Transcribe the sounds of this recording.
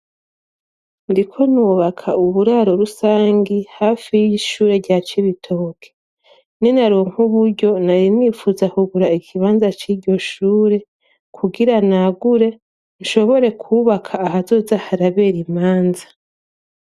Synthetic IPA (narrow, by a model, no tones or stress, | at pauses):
ndikʰo̞nuβakʰauβuɾaɾo̞ɾusaːŋɡihaːfijiiʃuːɾe̞ɾɟaːt͡ʃiβitʰokʰe̥ | ninaɾuːŋ̥huβuɾɟo̞naɾimwifuzakuɡuɾaikʰiβaːnzat͡ʃiːɾɟo̞ʃuːɾe̞ | kʰuɡiɾanaɡuɾe̞ | nʃo̞βo̞ɾe̞kʰuβakʰaːhazo̞ːzahaɾaβe̞ːɾimaːnzḁ